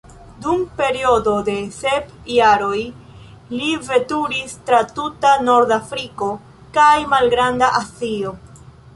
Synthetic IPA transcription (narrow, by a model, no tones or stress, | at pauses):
dumpe̞ɾio̞do̞de̞se̞p | jaɾo̞j | live̞tuɾistɾatutano̞ɾdafɾiko̞ | kajmalɡɾandaʔasio